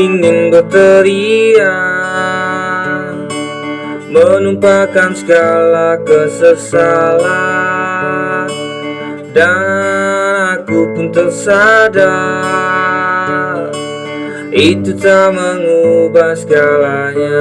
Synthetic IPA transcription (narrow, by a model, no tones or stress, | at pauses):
inɪnbət̪əɾia | mənumpakansəɡalakəsəsala | danakupunt̪ərsada | ʔit̪ut̪aməŋubahsəɡalaɲa